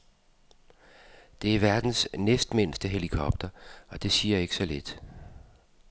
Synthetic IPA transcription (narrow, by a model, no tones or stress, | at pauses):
d̥e̝æɐʋæɐd̥n̩snesd̥men̰sd̥əɦe̝likʰɒ̽b̥̚d̥ɐɒ̽d̥e̝siːɐe̝ɡ̥əsɒ̽led̥